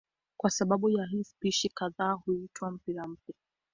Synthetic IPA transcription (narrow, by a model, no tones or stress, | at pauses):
kwasaɓaɓujaɦispiʃikaðaːhuitwam̩piɾam̩p̚ja